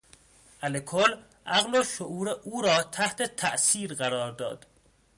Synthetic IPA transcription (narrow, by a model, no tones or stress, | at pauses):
ʔælekʰol | ʔæɣloʃoʔuːɾeʔuːɾɒːt̪ʰæht̪ʰet̪ʰæ̰ʔsiːɾɢæɾɒːɾd̪ɒ̰ːd̪̥